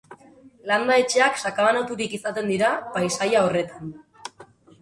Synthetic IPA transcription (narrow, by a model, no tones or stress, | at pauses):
land̪ae̞t͡ʃe̞aksakaβanat̪uɾikisat̪e̞nd̪iɾapajsajao̞re̞t̪an